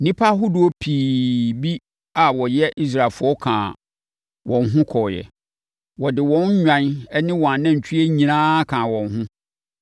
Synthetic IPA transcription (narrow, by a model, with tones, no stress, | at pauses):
nĩ˦pʰa˦ɦʊ˦du˨o˦pʰiː˨bi˦ | a˨wɔ˨jɛ˦ʔi˦s̬ɾa˦˨lfʊ˦ɔ˦kʰã̰˨ | wɔ̃˨nɦʊ̃˦kʰɔ˨jɛ̰˨ | wɔ˨dɪ˨wɔ̃˦n˦ɲᶣã˨˦nɛ˦nɪ̃˦wɔ˨a˨nã˦ɲ̩˨t͡ɕʰᶣi˦ɛ˦ɲĩ˨nãː˦kʰãː˨wɔ̃˨nɦʊ̃˦